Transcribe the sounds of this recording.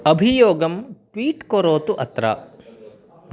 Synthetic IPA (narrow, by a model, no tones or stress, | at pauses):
ɐbʱijoːɡɐmʈʋiːʈkoɾoːt̪uʔɐt̪ɾɐ̰